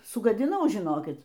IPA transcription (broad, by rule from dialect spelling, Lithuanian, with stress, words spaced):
sʊɡɐdʲɪˈnɐʊ ʒʲɪˈnoːkʲɪt